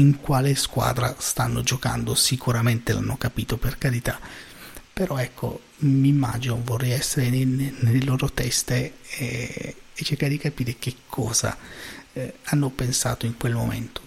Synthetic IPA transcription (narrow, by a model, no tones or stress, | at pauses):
iŋkwaːleskwa̰ːd̪ɾast̪anːo̰d͡ʒoka̰nd̪osikuɾament̪elʔa̰nːokapiːt̪operkaɾit̪a | peɾɔɛkʰːo̰ | mimːa̰ːd͡ʒinovorːɛjɛsːeɾenenelːeloːɾot̪ɛst̪e | t͡ʃːerkaɾed̪ikapiːɾek̟ekʰːɔːza̰ | anːopensa̰ːt̪oiŋkwelmo̰mḛnt̪o̥